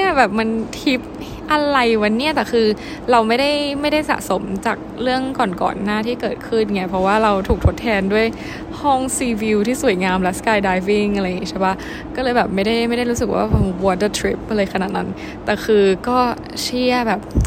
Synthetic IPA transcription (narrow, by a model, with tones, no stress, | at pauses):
ni˥˩ɐbɛː˨˩p̚ma˧nt̪ʰi˦˥p̚ | ʔa˧ɾa˧jwa˧nːi˦˥˩ɐt̪ɛː˨˩kʰɯː˧ | ɾa˧wma˥˩jda˥˩jma˥˩jda˥˩jsa̰˨˩ʔso˩˦mt͡ɕaː˨˩k̚ɾɯ˥˩əŋkɔː˨˩nkɔ̰ː˨˩nːaː˥˩t̪ʰiː˥˩kɤː˨˩t̪̚kʰɯ˥˩nŋia˦˥pʰɾɔ˦˥waː˥˩ɾa˧wt̪ʰuː˨˩k̚t̪ʰo˦˥t̪ʰːɛː˧ndu˥˩əj | hɔ˥˩ŋsiː˧wi˧wt̪ʰiː˥˩su˨˩ə˦jŋaː˧mlɛ˦˥skaː˧jdaː˧jvi˧˥˩ŋʔa˧ɾa˧jːŋi˦˥t͡ɕʰa˥˩ba˦˥ | kɔː˥˩lɤː˧jbɛː˨˩p̚ma˥˩jda˥˩jma˥˩jda˥˩jɾuː˦˥s̬ɯ˨˩k̚wʔa̰ː˥˩o˧˩wɔ˧də˧˩t̪ʰɾi˦˥p̚ʔlɤː˧jkʰa˧naː˨˩t̪̚na̰˦n | t̪ɛː˨˩xʰɯː˧kɔː˥˩ | t͡ɕʰi˥˩ɐbɛː˨˩p̚